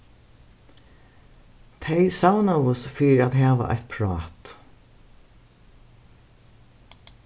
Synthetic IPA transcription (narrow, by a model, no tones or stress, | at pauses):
t̪ʰɛjsawnaʋʊsfiːɾat̪ɦaːʋa̰ʔa̰ht̪̚pʰɾɑːt̪